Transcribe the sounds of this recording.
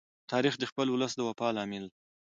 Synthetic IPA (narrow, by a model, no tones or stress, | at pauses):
t̪ʰɑɾixd̪əxpəlwʊləsd̪əwapɑlɑmɪl